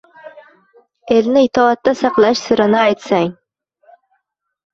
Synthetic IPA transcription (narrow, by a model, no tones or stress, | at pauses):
elnɪit̪ʰɒɑt̪ːɑsɑqlˠɑʃsʊɾanɪɑjt̪saŋ